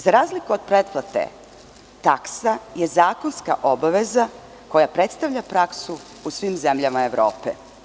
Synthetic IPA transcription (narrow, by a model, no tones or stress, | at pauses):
zaɾaːzlikuod̪̥̚pɾet̪plˠat̪ḛ | t̪aksaje̞zaːko̞nska̰ʔo̞baʋeza | ko̞japɾe̞t̪st̪aʋʎapɾaksu | usʋiːmze̞mʎamaeʋɾo̰ːpḛ